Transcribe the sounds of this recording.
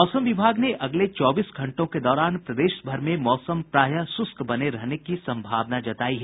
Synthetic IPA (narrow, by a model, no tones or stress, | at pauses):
ɔːsəmʋɪbʱaːɡneʔɐɡlet͡ʃɔːbiːsɡʱɐ̃ɳʈõked̪ɔːɾaːnpɾɐd̪eːʃbʱɐɾmẽmɔːsəmpɾaːjasʊskbɐneɾɛɦnekisɐ̃mbʱaːʋnad͡ʒɐt̪aːiɦɛ